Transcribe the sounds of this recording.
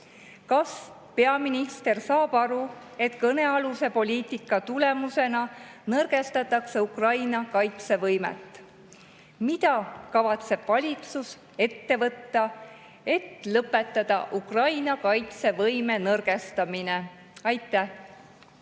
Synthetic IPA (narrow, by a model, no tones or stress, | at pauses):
kɑs | pe̞ɑminist̪e̞rsɑːb̥ɑɾu | e̞t̪kɤne̞ɑluse̞po̞lʲiːt̪ˑikːˑɑt̪ule̞muse̞nɑnɤrɡ̥e̞st̪ɑt̪ːˑɑkse̞ukrɑjnɑkɑjt̪se̞vɤjmḛt̪ː | mid̪ɑkɑvɑt̪se̞b̥vɑlʲit̪sus | e̞t̪ːe̞vɤt̪ːɑ | e̞t̪ːlɤpːˑe̞t̪ːˑɑd̪̥ɑʔukrɑjnɑkɑjt̪se̞vɤjme̞nɤrɡ̥e̞st̪ɑmine̞ | ɑjt̪ˑːæh